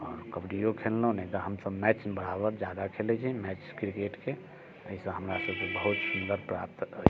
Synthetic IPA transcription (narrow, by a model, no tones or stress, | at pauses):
ɔːɾkəbɖijokʰellə̃nɛit̪əɦəmsəbmɛt͡ʃnbəɽ̤abəd͡ʒad̪akʰelɛt͡ʃʰimɛt͡ʃkɾikeʈke | əisə̃ɦəmɾasəbkebəɦut̪sund̪əɾpɾap̚t̪ə